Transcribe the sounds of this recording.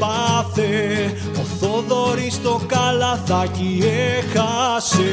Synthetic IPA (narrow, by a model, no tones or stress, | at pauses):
aθe | oθoðoɾist̪okalɐθɐciexɐse